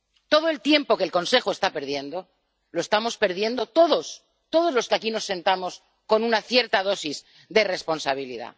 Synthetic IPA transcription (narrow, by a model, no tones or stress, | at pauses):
t̪o̞ð̞oe̞lt̪je̞mpo̞kelko̞nse̞xoest̪ape̞ɾðje̞nd̪o̞ | lo̞e̞st̪amo̞spe̞ɾðje̞nd̪o̞t̪o̞ðo̞s | t̪o̞ðo̞zlo̞skeakino̞sːe̞nt̪amo̞s | ko̞nunaθje̞ɾt̪að̞o̞siz | d̪e̞re̞spo̞nsaβ̞ilḭða̰